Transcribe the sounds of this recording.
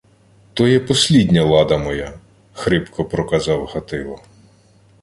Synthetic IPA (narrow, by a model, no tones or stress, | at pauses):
t̪ɔjɛpɔsʲlʲidʲnʲɐlˠɑd̪ɐmɔja | xɾɪpkʰɔpɾɔkɐzɑwhɐt̪ɪlˠɔ